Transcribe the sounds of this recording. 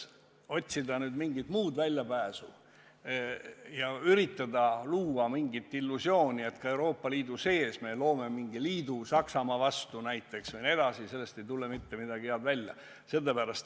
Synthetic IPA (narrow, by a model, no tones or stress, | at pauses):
o̞t̪ʲsid̪ɑnyːd̪miŋɡit̪muːd̪vælʲːjɑpæːsu | jɑyɾit̪ːˑɑd̪ɑluːɑmiŋɡit̪ːˑilːusjo̞ːnʲie̞t̪kɑe̞wɾo̞ːpːɑliːd̪use̞ːsme̞lo̞ːme̞miŋɡiliːd̪usɑksɑmɑvɑst̪unæjt̪ːˑe̞ksvɨjned̪̥ɑsise̞lːe̞st̪e̞jt̪ulːe̞mit̪ːe̞mid̪ɑɡ̥ijɑːd̪vælʲjɑ̰ | se̞lːepæɾɑst̪